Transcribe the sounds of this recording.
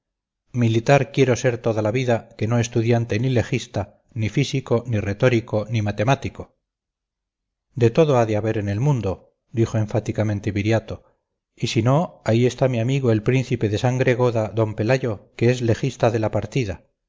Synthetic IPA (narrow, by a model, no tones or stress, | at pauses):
milit̪aɾkje̞ɾo̞se̞ɾt̪o̞ðalaβiðake̞no̞es̬t̪uðjant̪e̞nile̞xist̪a | nifisiko̞nire̞t̪o̞ɾiko̞nimat̪e̞mat̪iko̞ | d̪e̞t̪o̞ðoaðeaβe̞ɾe̞ne̞lmũnd̪o̞ | d̪ixoe̞ɱfat̪ikamẽnt̪e̞βiɾjat̪o̞ | isino̞aie̞st̪amiamiɣ̞oe̞lpɾĩn̟θipe̞ðe̞saŋɡɾe̞ɣ̞o̞ðaðo̞mpe̞laʝo̞keezle̞xist̪aðe̞lapaɾt̪iða